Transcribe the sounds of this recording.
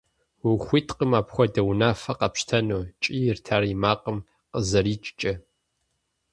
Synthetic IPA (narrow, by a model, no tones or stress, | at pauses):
wʊxʷiːtʰʼqəmaːpxʷɔdɐwnaːfɐqɐpʃtʰɐnoːt͡ʃʼiːjɪrtʰaːrimaːqʼəm | qəzɐɾiːt͡ʃʼt͡ʃʼɐ